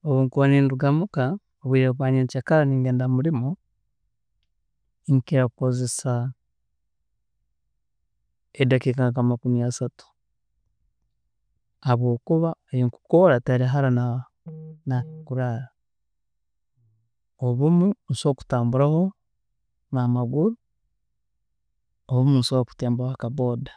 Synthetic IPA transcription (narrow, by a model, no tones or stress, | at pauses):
oβuŋkuβaniːnduɡamuka | oβwiːɾeβwaːɲeɲt͡ʃakaɾaniːŋɡeːndamuɾimo | ŋkiɾako̞ze̞sa | edakekaŋkamakumiasatu̥ | βo̞ːkuβajiŋku̥koɾataɾiɦaɾana | nakuɾaɾa | oβumun̩soku̥taːmbuɾaho̞ | namaɡuɾu | oβumunsoku̥teːmbahoakaβo̞ːdḁ